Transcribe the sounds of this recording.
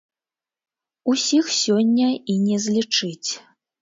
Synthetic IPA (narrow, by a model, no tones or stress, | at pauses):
usʲixsʲɔnʲːɐinʲɛzʲlʲit͡ʂɨt͡sʲ